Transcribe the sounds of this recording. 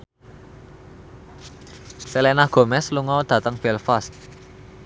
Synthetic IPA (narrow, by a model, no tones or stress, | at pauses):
selenaɡ̥o̤mɛsluŋɔd̪̥ä̤t̪əŋb̥ɛlfast̪̚